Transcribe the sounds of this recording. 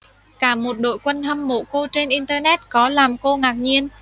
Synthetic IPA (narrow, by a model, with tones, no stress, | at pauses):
kaː˧˩mo˨˩t̚ɗo̰˧˨jkwə˧nhə˧mːo̰˧˨ko˧t͡ɕe˧nʔi˧nt̪əː˧nɛ˦˥t̚kɔ˨˦laː˨˩mko˧ŋaː˨˩k̚ɲi˧ən